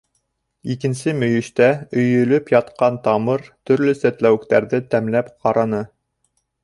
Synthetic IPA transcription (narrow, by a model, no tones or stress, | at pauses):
ikɘ̆nsɘmɵ̆jɵ̆ʃt̪æɵ̆jɵ̆lɵpjɑt̪qɑnt̪ɑmɤɾt̪ɵ̆ɾlɵsæt̪læwɘ̆kt̪æɾðɘt̪æmlæpqʰɑɾɑnɤ